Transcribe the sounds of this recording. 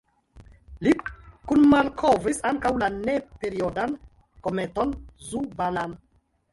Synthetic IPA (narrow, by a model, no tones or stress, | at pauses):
likunmalkʰovisaŋkawlanepe̞ɾiodan | kome̞to̞nzubanan